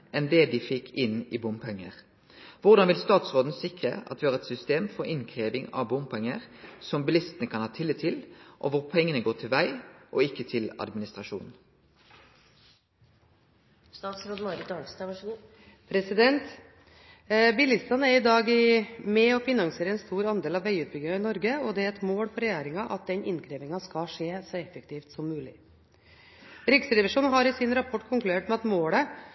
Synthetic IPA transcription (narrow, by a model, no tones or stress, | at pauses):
ɛnd̪ɛd̪ɪfɪkʰːɪnɪːbʊmpʰɛŋːəʁ | ʋʊʁd̪ɑnʋɪlst̪ɑːt̪sʁoːd̪n̩sɪkʁəɑ̰t̪ʋɪhɑɾʁɛt̪sʏst̪eːmfɔɾɪnkʰʁeːʋɪŋɑ̰ʋbʊmpʰɛŋːəʁsɔmbɪlɪst̪ənəkʰɑnhɑːt̪ʰɪlːɪt̪ʰːɪlʔɔʋʊʁpʰɛŋːənəɡoːʈ̪ʰɪlʋæɪʔɔɪkːət̪ʰɪlɑ̰d̪mɪnɪst̪ʁɑʃṵːnn̩ | st̪ɑːt̪sɾod̪mɔɾɪt̪ɑlst̪ɑ | pʰɾɛsɪd̪ɛnt̪ | bɪlɪst̪ɑnəæɾɪd̪ɑːɡɪmɛɔfɪnɑŋseːɾəɛnst̪uːɾɑnd̪eːlɑʋæɪʉːt̪̚bʏɡ̪ːɪŋɑɪnɔɾɡəɔd̪ɛæɾɛt̪moːɽfɔɾɛjæːɾɪŋɑʔɑt̪̚d̪ɛnɪnkʰɾeːʋɪŋɑskɑʂeːsɔɛfɛkt̪ʰiːft̪sɔmːʉːlɪ̰ | ɾɪksəɾɛʋɪʂuːnɦɑɾɪsɪnɾɑpʰɔʈːkʰʊŋklʉeːʈmɛɑt̪moːɽə